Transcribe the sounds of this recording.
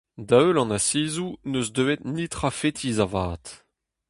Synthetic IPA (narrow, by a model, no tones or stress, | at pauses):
daølɑ̃nasiːzunøzdøet̪nitχafet̪ʰiːzavaːt̪